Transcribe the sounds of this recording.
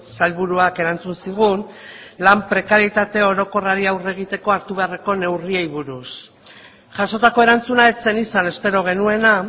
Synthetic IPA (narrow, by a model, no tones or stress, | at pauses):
salβuɾuake̞ɾant͡sunsiɣ̞un | lampɾe̞kaɾjit̪at̪e̞o̞ɾo̞ko̞raɾiawre̞ɣ̞it̪e̞ko̞aɾt̪uβe̞areko̞ne̞wriejβuɾus | ʝaso̞t̪ako̞e̞ɾant͡sunae̞t͡se̞nisane̞spe̞ɾo̞ɣ̞e̞nue̞na